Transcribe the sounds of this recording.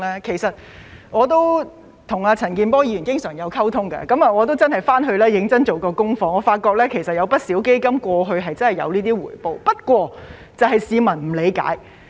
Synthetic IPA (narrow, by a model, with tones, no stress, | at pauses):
ɛː˥kʰe˨˩jsɐ˨t̚ | ŋɔː˨˧t̪̬o˥w | t̪ʰʊ˨˩ŋaː˧t͡sʰɐ˨˩nkiː˨˧npɔː˥jiː˧y˨˩nkɪ˥ŋsœː˨˩ŋjɐ˨˧wkʰɐ˥wt̪ʰʊ˥ŋkɐ̰˧kɐ˨˥mɐː˨ŋɔː˨˧t̪o˥wt͡sɐ˥nɦɐ˨jfaː˥nɦɵ˧lɛː˥jɪ˨˥ŋt͡sɐ˥nt͡so˨wkɔː˧kʊ˥ŋfɔː˧ŋɔː˨˧faː˧t̚kɔː˧k̚lɛː˥kʰe˨˩jsɐ˨t̚jɐ˨˧wpɐ˥t̚siː˨˥wke˥jkɐ˥mkʷɔː˧ɦɵ˧ɥɦɐ˨jt͡sɐ˥nɦɐ˨jɐ̰˨˧wniː˥t̪iː˥wuː˨˩jpo˨˧wpɐ˥t̚kʷɔː˧ | t͡sɐ˨wɦɐ˨jsiː˨˧mɐ˨˩nm̩˨˩le˨˧jka̰ː˨˥j